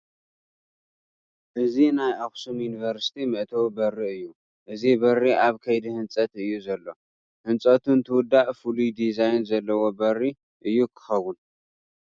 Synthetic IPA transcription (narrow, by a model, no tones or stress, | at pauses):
ʔɨzinajʔaxsumjunivɐɾsi̥t̪ʰimɨʔt̪ʰowbɐrːiʔɨjːu | ʔɨzibɐrːiʔaβkʰɐjd̪ihɨnt͡sʼɐt̪ɨjːuzɐlːo̞ | hɨnt͡sʼɐt̪ʰunt̪ʰɨwʊd̪ːaʔfulujd̪izajnzɐlːɐwo̞bɐrːi | ʔɨjːukʰɨ̥xɐwun